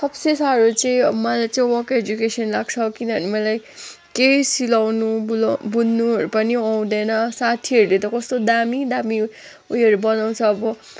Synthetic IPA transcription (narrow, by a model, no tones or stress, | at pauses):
sʌbsesaɾot͡sʌĩmʌlajt͡saĩwʌked͡zukesʌnlaɡ̚t͡sʰʌkinʌʌnimʌlaj | kejsilawnubulbunnuɦʌɾupʌniaw̃d̪ʌnʌsat̪ʰiɦʌɾulet̪ʌkʌst̪od̪amid̪ami | uiɦʌɾubʌnaw̃t͡sʰʌːbʌ